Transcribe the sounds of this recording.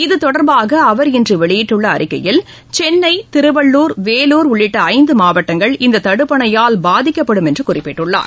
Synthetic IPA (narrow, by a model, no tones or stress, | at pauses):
ɪðɯt̪ɔɽɐɾbaːɣɐːʋɐɾɪndrɯʋɛɭɪjɪʈːɯɭːɐːɾɪkːɐjɪl | t͡ʃɛnːɐɪt̪ɪɾɯbɐɭːuːɾʋeːluːɾʊɭːɪʈːɐːɪnd̪ɯmaːʋɐʈːɐŋɡɐɭɪnd̪ɐt̪ɐɽɯpːɐɳɐjaːlbaːðɪkːɐpːɐɽɯmɛndrɯkʊrɪpːɪʈːɯɭːa̰ːɾ